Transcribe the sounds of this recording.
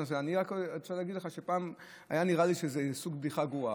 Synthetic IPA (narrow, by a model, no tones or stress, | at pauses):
oseaniʁakʃaleaɡidleχaʃepaːm | a̰janiʁaliʃezesuɡ̚bd̪iχaɡua